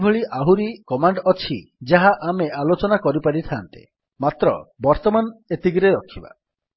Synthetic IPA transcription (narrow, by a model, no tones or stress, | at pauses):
bʱeɭiʔaɦuɾikɔmaɳɖɔt͡ʃʰid͡ʒaɦaʔamealot͡ʃɔnakɔɾipaɾit̪ʰant̪ḛ | mat̪ɾɔ̰bɔɾt̪ɔmanet̪iɡɾeɾɔkʰːiba̰